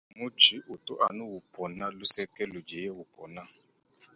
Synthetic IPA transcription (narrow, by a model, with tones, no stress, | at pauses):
mu˦t͡ʃʰi˦ʔu˨tʊ˦ʔa˨nʊ˦wu˨pʰɔ˨na˦lu˦sɛ˦kɛ˦lu˨d͡ʒɛ˨jɛ˦wu˨pʰɔ˨na˦˨